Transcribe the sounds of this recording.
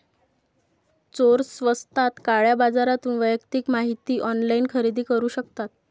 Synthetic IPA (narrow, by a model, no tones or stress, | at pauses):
t͡soɾsʋəst̪at̪kaɭjabad͡zaɾat̪uːnʋəjəkt̪iːkmaɦit̪iːʔɔnlainkʰəɾid̪iːkəɾuːɕəkt̪at̪̚